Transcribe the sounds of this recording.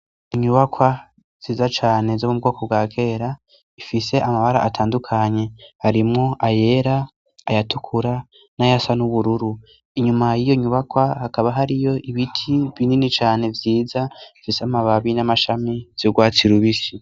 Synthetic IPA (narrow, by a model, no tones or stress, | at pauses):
iɲuβakʰwa | z̥iːzat͡ʃaːne̞zomub̚ɡo̞ːko̞b̚ɡwaːkʰe̞ːɾa | ifise̞ʔamaβaɾa̰ʔatʰaːndukʰaɲe̞haɾimŋo̞ʔaje̞ɾa | ajatukʰuɾa | najasanuβuɾuɾu | iɲumajijo̞iɲuβakwahakaβaɦaɾijo̞ʔiβitʰiβininit͡ʃaːne̞vjiːzaifiseamaβaβinamaʃamiz̥oɡwaːt͡siɾuβisi